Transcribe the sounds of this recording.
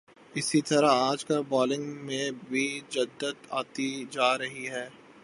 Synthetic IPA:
ɪsit̪ɐɾaaːd͡ʒkɐlbɔːlɪ̃ŋɡmẽbʱid͡ʒɐd̪ːət̪a̰ːt̪id͡ʒaːɾɐɦiɦɛː

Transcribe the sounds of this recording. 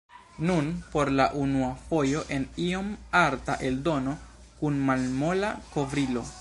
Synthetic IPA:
nunpo̞ɾlaʔunuafo̞jo̞ʔe̞nio̞maɾtaʔe̞ldo̞no̞ | kunmalmolako̞vɾilo̞

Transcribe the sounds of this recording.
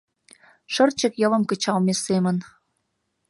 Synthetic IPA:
ʃə̆rt͡ɕə̆kjɤ̆lə̆mkə̆t͡ɕɑlmesemə̆n

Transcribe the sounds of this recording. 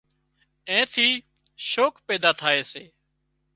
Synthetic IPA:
ẽːt̪ʰiː | ʃoːkpeːd̪aːt̪ʰaːeːseː

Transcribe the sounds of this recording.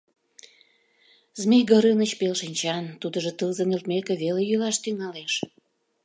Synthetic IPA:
zmejɡəɾɯnət͡ɕpelʃinʲt͡ɕɑnt̪ud̪əʒet̪əlzə̆nelt̪̚mekeβelejylɑʃt̪yŋɑleʃ

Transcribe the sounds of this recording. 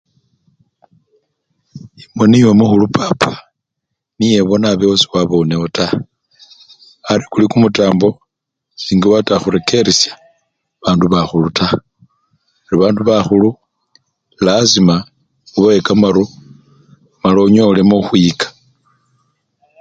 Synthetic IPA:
imweniwemuxulupʰapʰḁ | nije̞βo̞naβeosi̥waβo̞neota | aɾikulikumutaːmbo̞ | siːŋɡiwataxuɾe̞ke̞ɾisjḁ | βaːnduβaxulutʰa | eɾiβaːnduβaxulu | lazima | uβawekamaɾu | maloɲolemoxwikḁ

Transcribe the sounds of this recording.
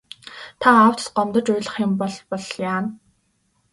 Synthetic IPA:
t̪ʰaːw̥t̪ɢɔmt̪ə̆t͡ɕʊjɮə̆χjʊ̆mpɔɮpɔɮjaːn

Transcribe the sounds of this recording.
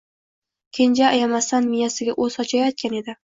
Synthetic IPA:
kʲʰend͡ʒaːjamasanmijasɪɡʲaʔɵzɒt͡ʃʰajɒt̪̚kʲane̞d̪ɪ

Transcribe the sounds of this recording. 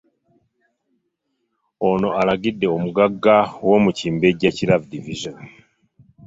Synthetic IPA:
ono̞ʔalaɡide̞omuɡaɡawo̞muciːmbeɟeciɾavdiviʒon

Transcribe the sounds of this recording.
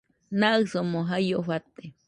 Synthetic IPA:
naɨsomoɦajoɸat̪e

